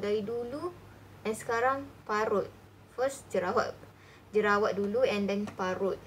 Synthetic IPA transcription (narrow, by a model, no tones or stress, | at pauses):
daidulu | ʔɛnsə̥kaɾaŋpaɾʊt̪̚ | fəsd͡ʒəɾawa̰ʔ | d͡ʒəɾawat̪̚duluɛ̃ndɛnpaɾʊt̪̚